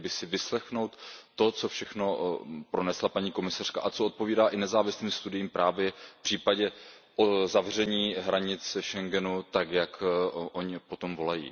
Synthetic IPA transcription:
bɪsɪvɪslɛxno̞wt̪ːo̞t͡so̞fʃɛxno̞pɾo̞nɛslapaɲiːko̞mɪsar̝̥kaʔat͡soʔot̪̚po̞viːdaːʔɪnɛzaːvɪsliːmst̪udɪjiːmpɾʔaːvjɛpr̝̥iːpaɟɛʔozavrɛɲiːɦɾaɲɪt͡sʃɛŋɡɛnut̪akjakʔo̞ɲɪpo̞t̪o̞mvo̞lajḭː

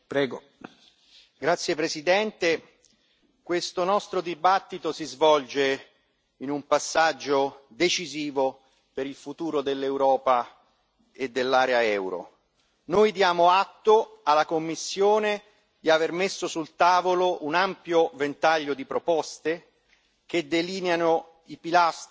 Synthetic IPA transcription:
pɾɛːɡo | ɡɾat̪sːjepɾesid̪ɛnt̪e | kwest̪onɔst̪ɾod̪ibat̪ːit̪osizvɔld͡ʒe | inumpasːad͡ʒːod̪et͡ʃiziːvo | peɾilfut̪uːɾod̪elːewɾɔːpa | ed̪ːelːaːɾeaɛwɾo̰ | nojd̪jaːmoat̪ːoalakomːisːjoːne | d̪iavermesːosult̪aːvoloʔunampjovent̪aʎːod̪ipɾopɔst̪e | k̟ed̪ːeliːneano | ipilast̪

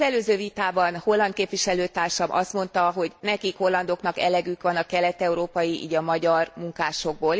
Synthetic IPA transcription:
ɛløːzøːvit̪aːbɒnho̞lːɒnt̪̚keːpʋiʃɛløːt̪aːrʃɒmʔɒ̰st̪mo̞n̪t̪ɒɦo̞ɟnɛkikho̞lːɒnd̪o̞knɒkɛ̰lɛɡykʋɒnɒkɛlɛt̪ɛuɾoːpɒjiʔḭːɟɒmɒɟɒrmuŋkaːʃo̞ɡ̚boːl

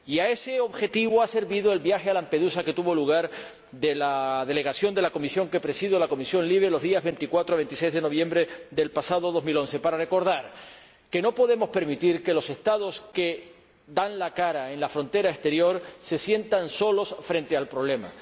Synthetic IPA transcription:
iae̞se̞o̞βxe̞t̪iβoase̞ɾβiðoe̞lβjaxe̞alampe̞ðusake̞t̪uβo̞luɣ̞aɾ | d̪e̞laðe̞le̞ɣasjo̞nd̪elako̞misjo̞ŋke̞pɾe̞siðjolako̞misjonliβelo̞zðiazβe̞nt̪ikwat̪ɾoaβe̞nt̪is̬ejzðe̞no̞β̞jẽ̞mbɾeðe̞lpasað̞o̞ðo̞zmilo̞nse̞paɾare̞ko̞ɾð̞aɾ | ke̞nopo̞ðe̞mo̞spe̞ɾmit̪iɾke̞lo̞se̞st̪að̞o̞ske̞ | d̪anlakaɾae̞nlafɾo̞nt̪e̞ɾaest̪e̞ɾjo̞ɾse̞sje̞nt̪anso̞lo̞sfɾe̞nt̪e̞alpɾo̞β̞le̞ma̰

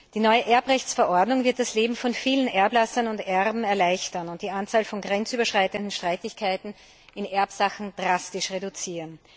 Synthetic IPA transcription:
d̥iːnɔʏəʔɛɐpʁɛçt͡sfɛɐʔɔɐdnʊŋvɪɐt̚d̥asleːbm̩fɔnfiːlənʔɛɐblasɐnʊntʔɛʁbm̩ɛɐlaɪçtɐnʊnt̚d̥iːʔant͡saːlfɔnɡʁɛnt͡syːbɐʃʁ̥aɪtəndn̩ʃtʁ̥aɪtɪçkʰaɪtn̩ | ɪnʔɛɐpsaxn̩d̥ʁastɪʃʁedʊt͡siːʁən

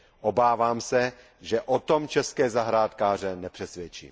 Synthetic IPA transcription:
ʔobaːvaːmsɛ | ʒɛʔot̪omt͡ʃɛskɛːzaɦɾaːt̪kaːr̝ɛnɛpr̥ɛsʋjɛt͡ʃḭːm

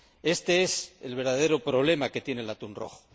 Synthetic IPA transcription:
e̞st̪e̞eselβ̞e̞ɾðaðe̞ɾopɾo̞β̞le̞make̞t̪je̞nelat̪unro̞̰χo̥

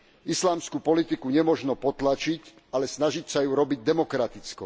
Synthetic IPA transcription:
islaːmskupɔlit̪ikuɲɛmɔʒnɔpɔt̪lat͡ʃic | alɛsnaʒicsajuɾɔbiɟ̚d̪ɛmɔkɾat̪it͡skɔ

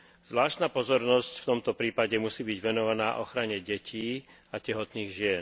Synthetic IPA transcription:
z̥ʋlaːʃt̪naːpɔzɔɾnɔscft̪ɔmt̪ɔpɾiːpaɟɛmusiːbiɟʋɛnɔʋanaːʔɔxɾaɲɛɟɛcʰiː | acɛɦɔt̪niːɣʒɪɛn

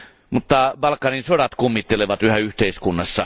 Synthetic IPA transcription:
mut̪ːɑbɑlkːˑɑninsodɑt̪kumːit̪ːeleʋɑt̪yhæyht̪eiskunːɑsːɑ̰

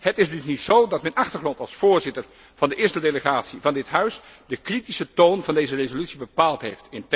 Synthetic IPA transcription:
ɦətɪzdɵsnisowdɑtmɛnɑχtəɹχrɔntɑlˠsfʊːɹzɪtəɹ | v̥ɑndəʔɪːɹstədeləχaːtsivɑndɪtɦœɥs | dəkritisətownvɑndejzərezolytsibəpaːlˠtɦejftɪnt

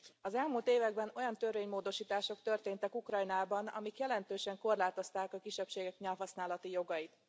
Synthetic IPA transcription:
ɒzɛlmuːlt̪eːvɛɡbɛno̞jɒnt̪ørveːɲmoːd̪o̞ʃiːt̪aːʃo̞kt̪ø̞rt̪eːnt̪ɛkukrɒjnaːbɒnɒ̰mikjɛlɛnt̪øːʃɛŋko̞rlaːt̪o̞st̪aːkɒkiʃɛpʃeːɡɛkɲɛlɦɒsnaːlɒt̪ijo̞ɡɒjit̪

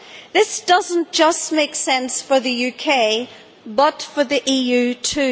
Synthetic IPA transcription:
ðɪsd̥ʌzə̃nd̥ʒ̥ʌstmeɪksɛ̃nsfə˞ðəjʉkʰeɪ | bʌtfə˞ðiʔiːjʉtʰʉ

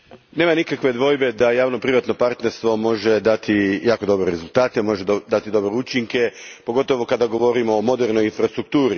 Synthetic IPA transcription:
ne̞ːmanikakʋe̞d̪ʋo̞jbe̞d̪ajaːʋno̞pɾiʋat̪no̞paɾt̪ne̞ɾst̪ʋo̞mo̞ʒe̞d̪at̪ʰijaːko̞d̪o̞bɾeɾezulˠt̪aːt̪emo̞ʒe̞d̪d̪at̪id̪o̞bɾeut͡ʃiŋke̞po̞ɡo̞t̪o̞ʋo̞kad̪aɡo̞ʋo̞ɾimoːmo̞d̪eɾnojinfɾast̪ɾuk̚t̪uːɾi

